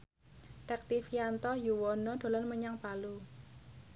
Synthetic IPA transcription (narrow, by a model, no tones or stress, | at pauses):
t̪ɛk̚t̪ifiant̪ɔjuwɔnɔɖ̪̥o̤lanməɲaŋpalu